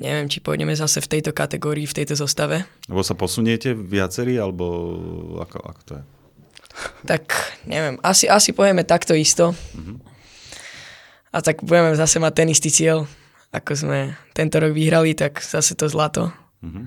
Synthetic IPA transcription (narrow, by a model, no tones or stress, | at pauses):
ɲɛ̰ʋɪɛmt͡ʃi̥pɔ̰ɲɛ̰mɛzasɛft̪ɛjt̪ɔkat̪ɛɡɔːɾiːft̪ɛjt̪ɔzɔst̪aʋɛɛbɔsapɔsuɲɪɛcɛʋɪat͡sɛɾiːalɛbɔa̰kɔ̰a̰kɔ̥t̪ɔjɛ | t̪akɲɛ̰ʋɪɛmasiʔasipɔɦjɛmɛt̪akt̪ɔist̪ɔ | a̰t̪aɡbuɟɛmɛzasɛmac̚t̪ɛnist̪it͡sɪɛl | a̰kɔzmɛt̪ɛnt̪ɔɾɔɡʋiɦɾalit̪aɡz̥asɛt̪ɔzlat̪ɔ | ɦ